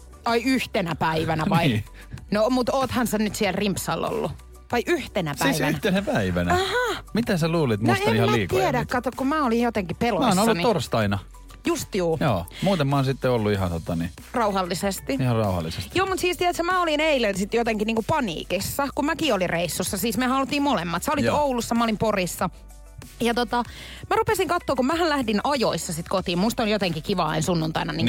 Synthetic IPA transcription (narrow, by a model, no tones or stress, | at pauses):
ɑiyht̪enæpæiʋænæʋɑii | nomut̪oːt̪hɑnsenyt̪siɛlrimpsɑlːo̰lːu | ʋɑiʔyht̪enæpsæiiʋæyhæt̪enæpæiʋænæɑhɑmit̪æsæluːlit̪mnseɑmihɑlːmæiːk̪iædæk̪kɑt̪ːokkumæolijjot̪eŋkipelomːsnolːuɑnit̪orst̪ɑinɑ | just̪juːjoːmuːt̪emmɑoːnsit̪ːeolːuiɦɑ̰nt̪ot̪ɑni | rɑuhɑlːisest̪iihɑrrɑuhɑ̰lːisest̪joːmut̪siːst̪iæt̪sæmæolineilensit̪jot̪eŋkiniːŋkupɑnḭːkisːɑkummækiolirreisːusːɑsiːsmehæolut̪ːiːmmolemːɑt̪sɑolioulusːɑmæolimporisːɑ | jɑt̪ot̪ɑ | mærupesiŋkɑt̪ːoːkummæhællæhdinɑjoisːɑsit̪kot̪iːmmust̪oljot̪eŋkikiʋɑɑinsunːunt̪ɑinɑni